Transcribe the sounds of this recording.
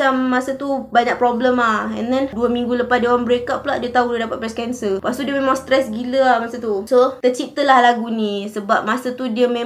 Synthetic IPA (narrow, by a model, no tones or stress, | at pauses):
amːasat̪ubaɲaʔ̚pɾɔbləmahɛ̰ndɛnduəmĩŋɡuləpasdewanbəɾekap̚ːlaʔdiət̪audədapat̪̚pɾɛskɛnsəpast̪udiəmemãŋst̪ɾɛsɡiləahmasat̪usot̪ət͡ʃit̪əlahlaɡunĩsəbap̚masət̪udiəme